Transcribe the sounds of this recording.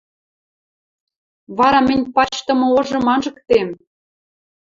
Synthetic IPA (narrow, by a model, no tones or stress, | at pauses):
βɑɾɑmɘ̆nʲpɑt͡ɕt̪ɤ̆mɤ̆oʒɤ̆mɑnʒɤ̆kt̪em